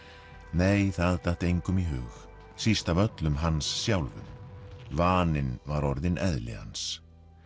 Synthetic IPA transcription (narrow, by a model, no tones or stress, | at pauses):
nejθaðt̪aht̪ejŋkʏmiɦʏːx | sist̪avœt̪lʏmɦansːjawlvʏ̰mvaːnɪnvaɾɔɾðɪnʔɛðlɪ̰ha̰ns